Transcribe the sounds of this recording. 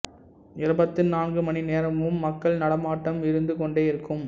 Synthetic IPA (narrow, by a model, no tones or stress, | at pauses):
ɪɾɯbɐt̪ːɯnaːnɡɯmɐnineːɾɐmʋɯmːɐkːɐɭnɐɽɐmaːʈːɐmɪɾɯnd̪ɯkɔɳɖeːɪɾɯkːɯm